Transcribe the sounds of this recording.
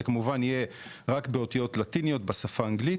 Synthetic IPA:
kamuvanije̞ | ʁakbeo̞t̪ijo̞tlat̪inijo̞tbasafaːŋɡlit

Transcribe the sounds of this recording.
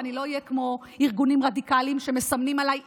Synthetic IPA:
anilo̞ijekmo̞ | iʁɡunimʁadikaliimʃe̞mesamnimalaj

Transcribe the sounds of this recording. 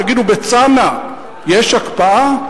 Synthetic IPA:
aɡidubet͡sana | jeʃakpaʔa

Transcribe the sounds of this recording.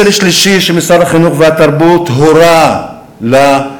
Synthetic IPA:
lʃliʃiʃemisadhaχinuχvehat̪aɾbut̪ɦoɾa | la

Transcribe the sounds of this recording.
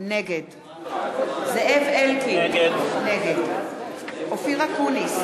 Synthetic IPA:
neɡed | zeʔevelkineɡed | ofiʁakunis

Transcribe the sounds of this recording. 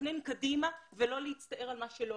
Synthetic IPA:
nenkadimavelo̞leit͡st̪ɐʔeʁalmaʃelo

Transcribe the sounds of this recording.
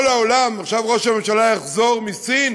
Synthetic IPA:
laolamaχʃavʁoʃame̞mʃalajaχzo̞ʁmisin

